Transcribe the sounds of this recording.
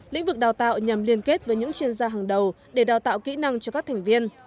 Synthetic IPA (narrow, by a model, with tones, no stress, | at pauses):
lḭ˧˥ŋ̟vɨ˨˩k̚ɗaː˨˩wt̪a̰ː˧˨wɲa˨˩mli˧ənke˦˥t̚vəː˨˦jɲɨ̰˧˥ŋt͡ɕwi˧ənzaː˧ɦaː˨˩ŋɗə˨˩w | ɗe˧˩ɗaː˨˩wt̪a̰ː˧˨wkḭ˧˥na˧ŋt͡ɕɔ˧kaː˦˥k̚t̪ʰɛ˨˩ŋ̟vi˧ən